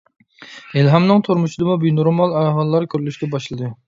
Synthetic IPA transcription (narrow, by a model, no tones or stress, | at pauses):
elɦɑmnɨŋt̪ʰuɾmuʃid̪ɨmubyjnuɾmɑlˠæɦɑlˠːɑɾkʲʰøɾlyʃɡʲɛbɑʃlˠɨd̪ɨ